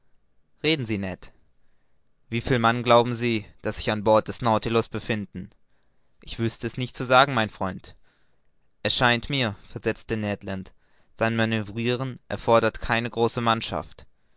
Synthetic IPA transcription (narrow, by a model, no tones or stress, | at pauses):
ʁeːdn̩ziːnɛt | v̥iːfiːlmanɡlaʊbm̩ziːd̥asz̥ɪçanbɔɐt̚d̥ɛsnaʊtilʊsb̥əfɪndn̩ | ʔɪçv̥ʏstəɛsnɪçt̚t͡suzaːɡŋ̩maɪnfʁ̥ɔʏnt | ʔɛsʃaɪntmiːɐfɛɐzɛt͡stənɛtlant | z̥aɪnmanøvʁiːʁ̞ənʔɛ̰ɐfɔɐdɐtkʰaɪnəɡʁoːsəmanʃa̰ft